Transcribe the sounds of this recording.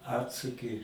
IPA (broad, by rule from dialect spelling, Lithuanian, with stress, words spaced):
ˈɑːtsʊkʲɪ